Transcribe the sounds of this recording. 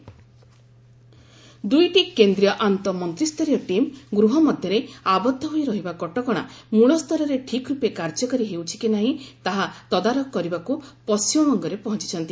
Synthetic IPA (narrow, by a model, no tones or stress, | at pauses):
d̪ujʈikend̪ɾijɔʔant̪ɔmɔnt̪ɾist̪ʰɔɾijɔʈimɡɾuɦɔmɔd̪ʱjɔɾeabɔd̪ʱːɔɦojɾɔɦibakɔʈɔkɔɽ̃amuɭɔst̪ʰɔɾɔɾeʈʰikɾupekaɾd͡ʒɔkɔɾiɦewt͡ʃʰi̥kinaɦĩt̪aɦat̪ɔd̪aɾɔkkːɔɾibakupɔsimɔmɔŋɡɔɾepɔɦɔnt͡ʃi̥t͡ʃʰɔnt̪i